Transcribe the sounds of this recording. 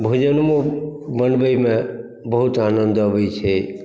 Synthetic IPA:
bʱud͡ʒənmõbənbəjmẽ | bəɦut̪anənd̪ʋəjt͡ʃʰe

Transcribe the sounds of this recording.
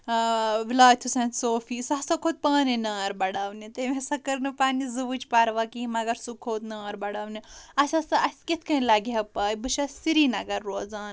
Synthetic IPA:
ʋilaːt̪ʰusɐ̃nsoːfiːsɐsɐkʰoːt̪̚paːninaːɾbɐɽawnit̪emesɐkɐɾnɨpaːnizɨʋɨt͡ʃpaɾʋaːkimɐɡɐɾsukʰoːt̪naːɾbɐɽawniɐsʲɐsɐɐsʲkit̪ʰkɐ̃lɐɡɦɐpaːjbɨʃɐsiɾiːnɐɡɐɾːoːzaːn

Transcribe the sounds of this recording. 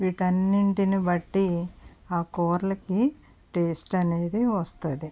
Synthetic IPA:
ʋiːʈɐnːiɳʈinibɐʈːiaːkoːɾlɐki | ʈe̞ːsʈɐne̞ːd̪iʋɐst̪ɐd̪i

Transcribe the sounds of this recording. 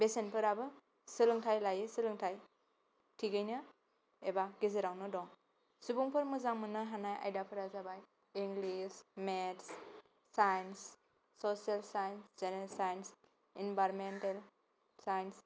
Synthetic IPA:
besenpʰɯɾabɯ | sɯlɯŋtʰajlajɯsɯlɯŋtʰaj | tʰiɡɯjnɯ | ebaɡizɯɾawnɯdɔŋ | subuŋpʰɯɾmɯzaŋmɯnɯɦanaja̰jdapʰɯɾazabaj | iŋɡlismets | sajns | sosielsajnsd͡ʒenesajns | inbajɾmentel | sajns

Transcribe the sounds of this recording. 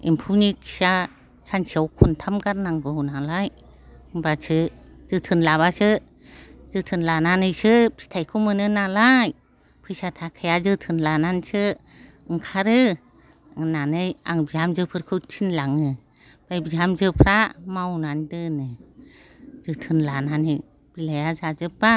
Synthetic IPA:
ḭmpʰunikʰi̥sa | sant͡ʃʰiawkʰuntʰamɡaɾnaŋɡɯwnalaj | ŋbasɯ | zɯtʰɯnlaβasɯ | zɯtʰɯnlananɯjsɯpʰi̥tʰajkʰumɯnɯnalaj | pʰɯjsatʰakʰajazɯtʰɯnlanansɯ | ŋkʰaɾɯ | nanɯja̰ŋbiamzɯpʰɯɾkʰɯtʰinlaŋɯ | b̥ajbiɦamzɯpʰɾamawnandɯnɯ | z̥ɯtʰɯnlananɯj | b̥ilajazazɯp̚ːa

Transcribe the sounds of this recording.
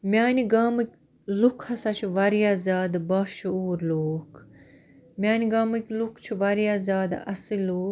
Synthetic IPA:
mʲjaːniɡaːmɨkʲ | lukʰɐsat͡ʃʰiʋɐɾijaːzaːd̪baːʃuːɾloːk | mʲaːniɡaːmɨkʲlukʰt͡ʃʰiʋɐɾijaːzaːd̪ɐ̰siloː

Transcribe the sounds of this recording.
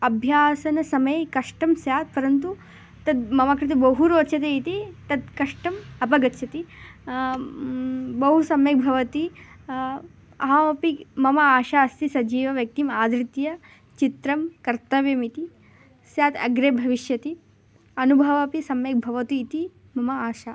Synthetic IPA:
ɐbʱjaːsɐnɐsɐmɐjkɐʂʈɐmsjaːt̪̚pɐɾɐnt̪̬u | t̪ɐd̪mɐmakɾit̪̬ɐbɐɦuɾoːt̪ːʃʰɐt̪eit̪it̪ɐd̪̚kɐʂʈɐmɐpɐɡɐt̪ːʃʰɐt̪i | bɐɦusɐmjɐk̚bʱɐʋɐt̪i | ɐ̰ɦɐɐpimɐmɐaːʃaɐst̪isɐd͡ʒiːʋɐʋjɐk̚t̪imaːd̪ɾit̪jɐ | t͡ʃit̪ɾɐmkɐɾt̪ɐʋjɐmit̪i | sjaːt̪ɐɡɾeːbʱɐʋiʃjɐt̪i | ɐnubʱɐʋɐpisɐmjɐk̚bʱɐʋɐt̪uːt̪i | mɐmɐaːʃaː

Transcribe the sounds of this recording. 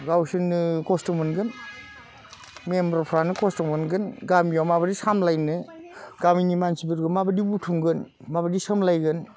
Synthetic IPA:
ɡawsɯnːɯkɔstɔmɯnɡɯn | membɾɔɾpʰɾanɯkɔstɔmɯnɡɯnɡamijawmabadisamlajnɯɡaminimansipiɾɡɯnmabadibutʰuŋɡɯn | mabadisɯmlajɡɯn

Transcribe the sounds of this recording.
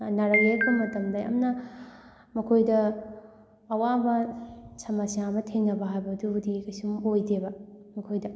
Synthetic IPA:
naɾɐjeɾbɐmɐtɐmdɐɐ̰mnɐ | mɐkʰojdɐː | wamɐsɐmasiamɐtʰeŋnɐbɐɦajbɐːdudikɐjsumojdebɐmɐkʰojdɐ

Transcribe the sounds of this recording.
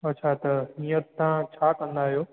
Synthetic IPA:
ɐtːʃʰat̪ɐɦĩːə̃t̪ːãt͡ʃʰaːkɐ̃nd̪aːɦjoː

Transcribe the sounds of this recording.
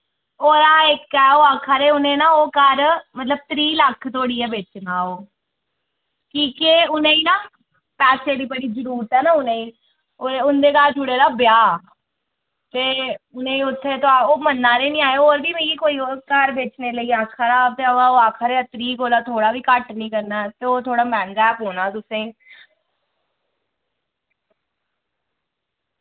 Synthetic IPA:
oːɾaːɪkːɛːoːaːkʰaɾeːʊnẽːnaːoːkəɾmət̪ləb̚t̪ɾiːləkʰːt̪ʰoːɽiːɛːbeːt͡ʃnaːoː | kiːkeʊnẽːiːnaː | pɛːseːdiːbəɽiːzəɾuːɾt̪ɦɛːnaːʊnẽːiː | oeʊnd̪eːkaːɾd͡ʒʊɽeːɾaːbjaː | t̪eːʊnẽːiːʊt̪ʰːeːt̪oaːoːmənːãːɾeːnĩːaːeoːɾbiːmẽːiːkoːiːoːkəɾbeːt͡ʃneːləiːakʰəɾaːb̚t̪eːəaoaːkʰəɾeːət̪ɾiːkoːlaːt̪ʰoːɽaːʋiːkəʈnĩːkəɾnaːt̪eːoːt̪ʰoːɽaːmɛ̃ːnɡɛːpɦoːnaːt̪ʊsẽː

